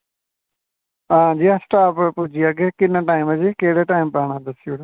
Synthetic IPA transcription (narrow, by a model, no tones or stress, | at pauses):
ɦãːd͡ʒiːasʈaːppʊd͡ʒiaːɡeːkɪnːãːʈaːɪmɛd͡ʒiːkeːɽeːʈaːimpɛːɽ̃ãːd̪əsiʊɽ